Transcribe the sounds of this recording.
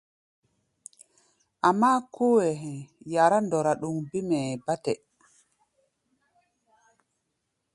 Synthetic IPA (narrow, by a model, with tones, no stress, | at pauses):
ʔamːa˦kʰu˦wɛɦɛ˨jaɾa˦ndɔ˨ɾaɗu˨mbi˦mɛ˨ba˦tɛ